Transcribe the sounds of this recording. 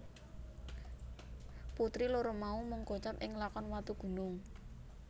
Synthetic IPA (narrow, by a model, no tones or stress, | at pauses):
put̪ɾiloɾomaumuŋkot͡ʃat̪ɪŋlakɔnwat̪uɡ̥ṳnʊŋ